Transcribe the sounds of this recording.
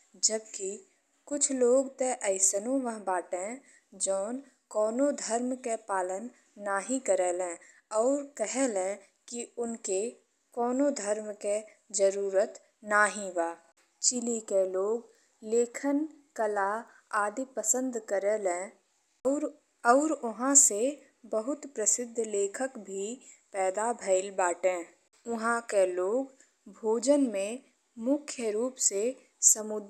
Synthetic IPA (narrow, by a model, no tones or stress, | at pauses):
d͡ʒəbki | kʊt͡ʃʰloːɡt̪eʔəɪsənõʋəɦbaːʈẽ | d͡ʒɔːn | kɔːnod̪ʱəɾmkepaːlənː | aːɦĩkəɾelẽːɔːɾkəɦelẽ | kiʊnke | kɔːnod̪ʱəɾmke | d͡ʒəɾuːɾət̪ | naːɦĩʋaː | t͡ʃɪlikeloːɡ | leːkʰən | kəla | aːd̪ipəsə̃nd̪ʱkəɾeːlɛ̃ː | ɾ | ɔːɾʊɦãse | bəɦʊt̪pɾəsɪd̪ʱːleːkʰəkbʱipɛːd̪abʱəɪlbaːʈẽː | ʊɦãkeloːɡ | bʱoːd͡ʒənmẽ | mʊkʰjəɾuːpse | səmʊd̪